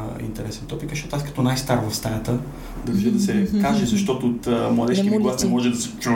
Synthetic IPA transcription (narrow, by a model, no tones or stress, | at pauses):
ḭnt̪ɛɾɛsɛnt̪ɔpikzəʃt̪ot̪ːaskɐ̥t̪ɔnajst̪aɾvɐfst̪ajʲat̪ə | d̪ɐʒɛd̪ɐsɛkaʒɛzɐʃt̪ɔt̪ʊːt̪mlˠɐd̪ɛʃiɡlasɛmɔʒɛd̪ɐsɛt͡ʃu